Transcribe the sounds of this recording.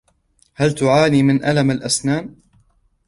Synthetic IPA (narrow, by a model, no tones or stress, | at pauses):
halt̪ʊʕaːniːmɪnʔalamalʔasnaːn